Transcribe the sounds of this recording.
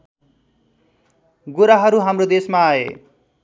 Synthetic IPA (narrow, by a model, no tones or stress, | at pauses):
ɡuɾaɦʌɾuɦamrod̪esmaːḛ